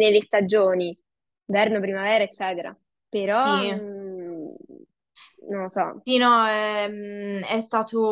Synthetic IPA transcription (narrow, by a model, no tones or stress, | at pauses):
nelːest̪ad͡ʒoːni | vɛrnopɾimavɛːɾaet͡ʃːɛːt̪eɾa̰ | peɾɔi | nolːosɔ̰sinɔɛmɛst̪aːt̪o